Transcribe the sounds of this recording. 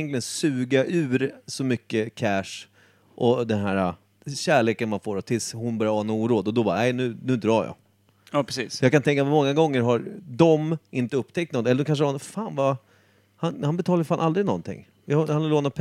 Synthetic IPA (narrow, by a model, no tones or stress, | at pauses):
nklɪɡənsʉ̟ːɡaʔʉ̟ːɾsɔmʏkːəkʰæʂ | ʔɔd̪ɛnɦæːɾa | ɕæːɭeːkənmanfoːɾɔt̪ʰɪlshʊnbœɾjaɾhɑːnːuːɾuːd̪ɔd̪ɔbɑ̰ːɾanɛjnʉ̟ːnʉ̟ːd̪ɾɑːjɑ̰ | ɑːpʰɛsiːsjɑːɡkant̪ʰɛŋkːamɔŋːaɡɔŋːəɾɦaɾd̪ɔmɪnt̪əɵpːt̪ʰɛkt̪nɔnɛlədɔkanʂ̬əanfaːnva | hanhanbɛt̪ʰɑːlaɾfanʔald̪ɾɪnɔ̰nt̪ʰɪ̰ŋː | jahanaloːnapʰ